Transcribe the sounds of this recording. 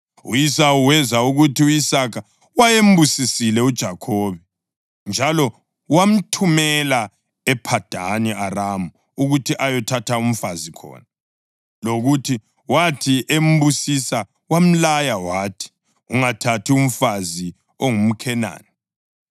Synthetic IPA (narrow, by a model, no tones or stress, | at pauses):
ṵjisauwɛzauɣutʰiujisakʰa | wajem̩busisilɛud̥ʒ̥ʱakʰɔːβɛ | nd͡ʒʱalɔ | wam̩tʰumɛla | ɛpʰad̥ʱa̰niaramu | uɣutʰiʔajɔtʰatʰaum̩fazikʰɔ̰ːna | loɣutʰi | watʰiʔem̩busisa | wam̩lajawaːtʰi̥ | uŋatʰatʰium̩fazi | oŋum̩kʰɛna̰ːni